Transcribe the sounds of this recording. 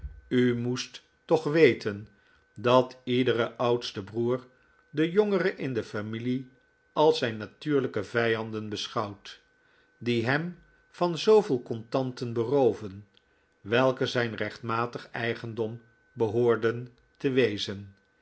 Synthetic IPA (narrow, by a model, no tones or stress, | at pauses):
ymustː | ɔχʋejtən | dɑtidərəʔʌwtstəbruːɹ | dəjɔŋərəʔɪndəfamili | ʔɑlˠzɛjnːatyːɹləkəvɛjɑndənbəsχɑwt | diɦɛm | v̥ɑnzowvɪːlˠkɔntɑntənbərowvən | ʋɛlˠkəzɛjnrɛχtmaːtəχɛjχəndɔm | bəɦʊːɹdən | təʋejzən